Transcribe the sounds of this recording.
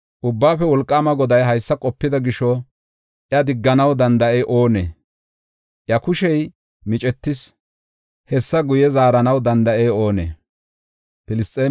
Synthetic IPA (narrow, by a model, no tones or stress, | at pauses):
ʔʊbːaːfɛwɔlkʼːaːmɐɡɔd̪ɐjɦɐjsːɐkʼɔpːɪd̪ɐɡɪʃɔ | ʔjɐd̪ɪɡːɐnɐwd̪ɐnd̪ɐʔɛjʔo̞ːnḛː | ʔjɐkʊʃɛj | mɪt͡ʃʼɛt̪ːɪs | hɛsːɐɡʊjɛzaːɾɐnɐwd̪ɐnd̪ɐʔɛjo̞ːnḛː | pɪlɪst̪ʼːeː